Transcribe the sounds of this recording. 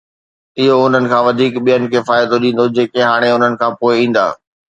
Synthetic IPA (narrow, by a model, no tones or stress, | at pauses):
ɪɦoʊn̤ənɪ̆kʰãːʋɐd̪ʱiːkɓijənɪ̆kʰeːfaːɪd̪oɗĩːn̆d̪od͡ʑeːkeɦaːɽ̃eʊn̤ənɪ̆kʰãːpoːɪĩːn̆d̪a̰ː